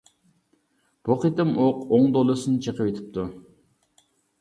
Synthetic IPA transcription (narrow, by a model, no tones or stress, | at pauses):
b̥oqit̪ɨmoqoŋd̪olˠɨsɨnɨt͡ʃʰəqʰəpwet̪ʰɪ̥p̚t̪ʰu